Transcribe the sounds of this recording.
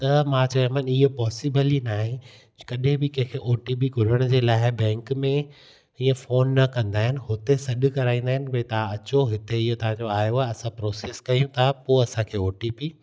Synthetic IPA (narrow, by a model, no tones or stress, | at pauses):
t̪ɐmãːt͡ɕɐ̃məniɦepɔːsɪbəlinaːɦẽ | kɐɗẽbɪkɐ̃ɦɪ̃kʰeʔoːʈip̬iɡʱʊɾəɽ̃d͡ʑeːlaːɪbɛ̃ːŋkmẽ | iə̃foːnːɐkɐ̃nd̪aːɦɪnɪ̆ɦʊt̪esɐɗʊkɐɾaːĩːnd̪aːɦɪnɪbɐĩt̪ɐãɐt͡ɕoɦɪt̪eɪɦot̪ɐʋ̤ãɲd͡ʑoaːjoaːɐsãpɾoːseːskɐijũt̪ʰapoːɐsãkʰeːoːʈipiː